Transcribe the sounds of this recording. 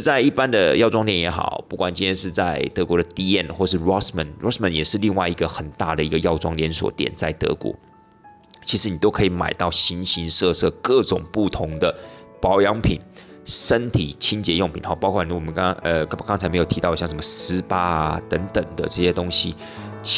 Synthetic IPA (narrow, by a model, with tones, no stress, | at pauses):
t͡sa˥˧ɪi˥˩pa˦nd̪ə˨jɑ˥˧ʊʈ͡ʂwɑ˥ŋt̪jɛ˨˩njɛ˧˥xɑ̰˨˩˦ʊpu˥˩kwa˨˩nt͡ɕi˥nt̪ʰjɛ˥nʂ̬ɻ̩˥˧t͡sa˥˩ɪt̪ɤ˧˥kwɔ˧˥ɾə˨t̪i˥ɛ˥˩nxwɔ˥˧ʂɻ̩˥˩ɻɔ˥smə˨˦nɻɔ˥smə˨njɛ˨˩ʂɻ̩˥˧li˥˧ŋwa˥˧ɪi˧˥ɡə˧xə˨˩nt̪a˥˩d̪ə˩i˧˥ɡə˧jɑ˥˩ʊʈ͡ʂwɑ˥ŋljɛ˧˥nswɔ̰˨˩˦t̪jɛ̰˨˩nt͡sa˥˩ɪt̪ɤ̰˧˥kwɔ̰˧˦ | t͡ɕʰi˧˥ʂɻ̩˧˥˦ni˨˩t̪o˥ʊkʰɤ˧i˨˩ma̰˨˩ɪt̪ɑ˥˩ʊɕi˥nɕi˥nsɤ˥˧sɤ˥˧kɤ˥˩ʈ͡ʂʊ˨˩ŋpu˥˩t̪ʰʊ˧˥ŋd̪ə˨pɑ˧˥ʊjɑ˧˥ŋpʰḭ˨˩nʂə˦˥nt̪ʰḭ˨˩t͡ɕʰi˥nt͡ɕjɛ˧˥jʊ˥˩ŋpʰi˨˩nxɔ˨˩pɑ˥ʊkʰʷwa˥˩nwɔ˨˩mə˦nə˧˩kɑ˥ŋt͡sʰa˨˧ɪme˧˥jo˨˩i˧ɑ˥˩ʊ˨ɕjɑ˥˨ŋʂə˥mə˧sɹ̩˥pa˥t̪ə˧˥ŋt̪ə˨˩ŋd̪ə̰˦ʈ͡ʂɤ˥˧ɕɛ˥t̪ʊ˥ŋɕi˨